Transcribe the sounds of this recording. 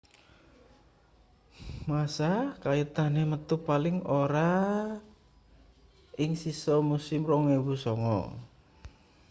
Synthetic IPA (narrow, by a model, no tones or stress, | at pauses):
masakait̪anemət̪upalɪŋoɾa | ɪŋsisɔmusɪmrɔŋewusɔŋɔ̰